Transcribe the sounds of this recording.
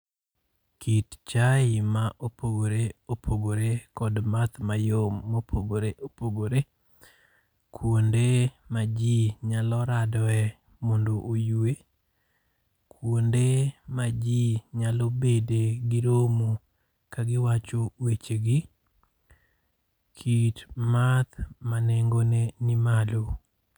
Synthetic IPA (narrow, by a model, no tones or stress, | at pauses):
kitt͡ʃaɪmaʔopoɡoɾeopʰoɡoɾekɔdmat̪majomːopʰoɡoɾeʔopoɡoɾe | kʰwondemad͡ʒiɲalɔɾadɔɛ | mondoʔojue | kʰwondemad͡ʒiɲalobedeɡɪɾomu | kaɡɪwat͡ʃowet͡ʃeɡɪ | kʰitmat̪manɛŋɡonenɪmalo